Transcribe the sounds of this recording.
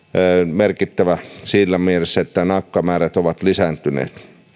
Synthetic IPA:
merkit̪ːæʋæsiːlːæmielesːæet̪ːænɑkːɑmæːræt̪oʋɑt̪lisænt̪ynḛːt̪

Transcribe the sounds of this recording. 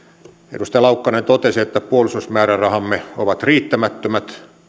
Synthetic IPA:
ḛdust̪ɑjɑlɑukːɑnent̪ot̪esiet̪ːæpuolisusmæːrærɑhɑmːeoʋɑt̪riːt̪ːæmæt̪ːømæt̪

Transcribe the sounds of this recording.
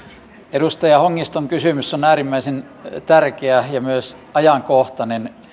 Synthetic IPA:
edust̪ɑjɑhoŋːist̪oŋkysymysːonæːrimːæisen | t̪ærkeæjɑmyøsɑjɑŋkoht̪ɑnen

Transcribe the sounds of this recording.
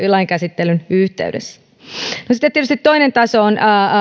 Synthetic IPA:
ilɑiŋkæsit̪ːelynyht̪ḛydḛsːæ̥ | nosit̪ːet̪ːietyst̪it̪ːoinent̪ɑsoːnə

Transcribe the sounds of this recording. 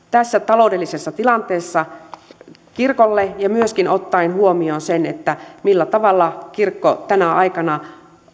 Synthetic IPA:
t̪æsːæt̪ɑloudelːisesːɑt̪ilɑnt̪eːsːɑ | kirkolːejɑmyøskinot̪ːɑinhuomionsenet̪ːæmilːæt̪ɑʋɑlːɑkirkːo̰t̪ænæʔɑikɑnɑ

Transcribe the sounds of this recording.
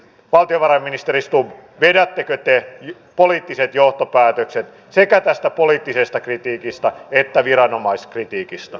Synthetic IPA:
ʋɑlt̪ioʋɑrɑmːinist̪eɾist̪uʋʋedæt̪ːekøt̪ej | poliːt̪ːiset̪joht̪opæːt̪økset̪ | sekæt̪æst̪æpoliːt̪ːisest̪ɑkrit̪iːkist̪ɑet̪ːæʋiɾɑnomɑiskrit̪iːkist̪ɑ

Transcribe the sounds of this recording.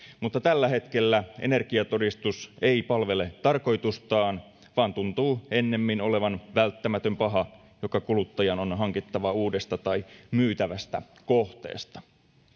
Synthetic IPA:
mut̪ːɑt̪ælːæɦe̞t̪ke̞lːæene̞rkiɑt̪o̞dist̪use̞ipɑlʋe̞le̞t̪ɑrko̞jt̪ust̪ɑːn | ʋɑːnt̪unt̪uːe̞nːe̞mːino̞le̞ʋɑnʋælt̪ːæmæt̪ø̞mpɑɦɑ | jo̞kɑkulut̪ːɑjɑno̞nɦɑŋkit̪ːɑʋɑuːdest̪ɑt̪ɑimyːt̪æʋæst̪æ̰ko̞ht̪ḛːst̪ɑ̥

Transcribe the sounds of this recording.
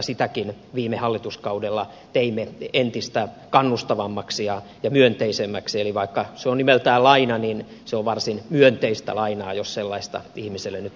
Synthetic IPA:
sit̪ækin | ʋiːmehɑlːit̪uskɑudelːɑ | t̪eimːeent̪ist̪æ | kɑnːust̪ɑʋɑmːɑksijɑ | jɑmyønt̪eisemːæksieliʋɑikːɑseonnimelt̪æːlɑinɑnin | seoʋʋɑrsinmyønt̪eist̪æ̰lɑinɑːjosselːɑist̪ɑ̰ihmiselːenyt̪

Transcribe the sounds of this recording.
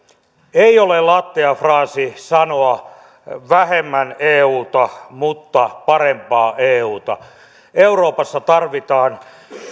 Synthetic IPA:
eiolelɑt̪ːiɑfrɑːsisɑnoɑ | ʋæhemːæneːuːt̪ɑmut̪ːɑpɑrempɑːʔeːuːt̪ɑ | euroːpɑsːɑt̪ɑrʋit̪ɑːn

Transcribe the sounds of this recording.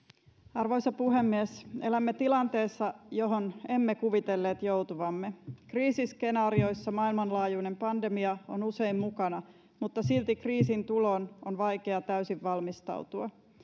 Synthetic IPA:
ɑrʋo̞jsɑpuɦe̞mːieselæmːet̪ilɑnt̪e̞ːsːɑjo̞ɦone̞mːekuʋit̪elːeːt̪jowt̪uʋɑmːekriːsiske̞nɑːɾio̞jsːɑmɑilmɑnlɑːjune̞mpɑnde̞miɑonuse̞immukɑnɑ | mut̪ːɑsilt̪ikriːsint̪ulo̞nonʋɑjke̞ɑt̪æysiʋʋɑlmist̪ɑ̰wt̪uɑ

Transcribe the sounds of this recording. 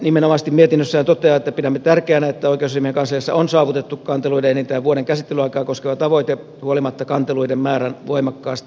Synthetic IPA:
nimenomɑst̪immiet̪inːøsːæhænt̪ot̪ˑeɑet̪ːæpidæmːet̪ærkeænæet̪ːæoikeousimieŋkɑnsɑjɑsːɑ̰onsɑːʋut̪et̪ːukkɑnt̪eluideenent̪æːʋuoɾeŋkæsit̪ːelyɑikɑːkoskeʋɑt̪ɑʋoit̪e | huolimɑt̪ːɑkɑnt̪eluidemmæːɾænʋoimɑkːɑːst̪i

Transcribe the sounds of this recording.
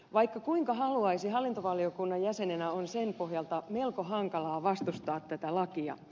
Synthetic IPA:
ʋɑjkːɑkuiŋkɑɦɑluɑjsiɦɑlːint̪oʋɑlːˑiokunːɑjjæse̞nenæo̞nsempo̞ɦjɑlt̪ɑme̞lkoɦɑŋkɑlɑːʋɑst̪ust̪ɑːt̪ːæt̪ælɑkiɑ̰

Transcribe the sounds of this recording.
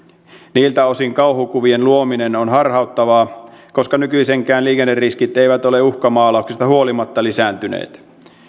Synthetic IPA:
niːlt̪æo̞siŋkɑuhukuʋienluominenonɦɑrhɑut̪ːɑʋɑːko̞skɑnykyiseŋkæːnliːkenːerriskit̪eiʋæt̪oleuhkɑmɑːlɑˑuksist̪ɑhuolimɑt̪ːɑlisæːnt̪ynḛːt̪

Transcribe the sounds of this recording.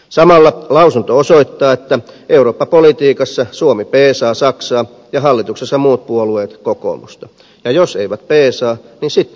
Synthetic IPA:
sɑmɑlːɑlɑusunt̪oosoit̪ːɑːet̪ːæʔeuroːpːɑpolit̪iːkɑsːɑsuomipeːsɑːsɑksɑː | jɑhɑlːit̪uksesːɑmuːt̪̚puolueːt̪koko̰mṵst̪ɑ | jɑjoseiʋæt̪̚peːsɑː | ninsit̪ː

